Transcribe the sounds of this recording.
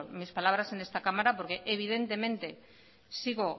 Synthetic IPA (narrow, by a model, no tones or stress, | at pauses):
mispalaβ̞ɾase̞nest̪akamaɾapoɾke̞ʔeβ̞iðe̞nt̪e̞mẽ̞nt̪e̞ | siɣo